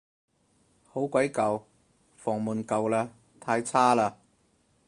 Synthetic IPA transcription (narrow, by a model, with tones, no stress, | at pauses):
ho˨˥wkʷɐ˨˥jkɐ˨˧w | fɔː˨˩ŋmuː˨nkɐ˨˧wlaː˧ | t̪ʰaː˧jt͡sʰaː˥laː˧